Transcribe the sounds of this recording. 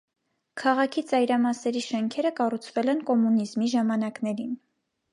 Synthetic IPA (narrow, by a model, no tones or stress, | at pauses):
kʰɑʁɑkʰit͡sɑjɾɑmɑsɛɾiʃɛŋkʰɛɾəkɑrut͡sʰvɛlɛnkɔmunizmiʒɑmɑnɑknɛɾin